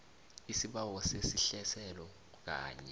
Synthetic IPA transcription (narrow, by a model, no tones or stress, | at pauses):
isiɓawɔsesiɬɛsɛlɔ | k̬a̰ːɲɛ